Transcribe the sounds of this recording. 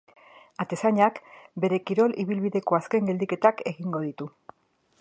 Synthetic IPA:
at̪e̞saɲakbe̞ɾe̞kiɾo̞liβilβiðe̞ko̞aske̞ŋɡeld̪ike̞t̪ake̞ɣiŋɡo̞ð̞it̪u

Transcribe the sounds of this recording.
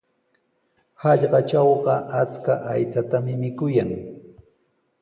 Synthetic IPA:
hɑʎɢɑt͡ʃɑwɢɑʔat͡skaʔajt͡sat̪amɪmɪkʊjaŋ

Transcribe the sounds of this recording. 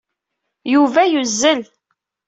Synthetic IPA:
juvæjuzːəl

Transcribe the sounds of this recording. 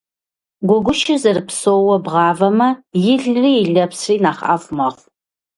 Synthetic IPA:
ɡʷɔɡʷʊʃɪzɐrɨpsoːwɔbʁɑːvɐmɐjɪɮriːɪɮɐpsriːnaːχa̰ːfʷmɐʁʷ

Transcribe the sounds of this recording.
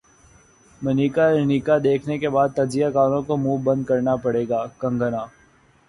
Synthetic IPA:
mɐniːkaɪniːkad̪eːkʰnekebaːd̪̚t̪ɐɾzijakaːɾõkomuːbɐ̃nd̪̚kɐɾnapɐɽeːɡaːkɐ̃ŋɡənaː

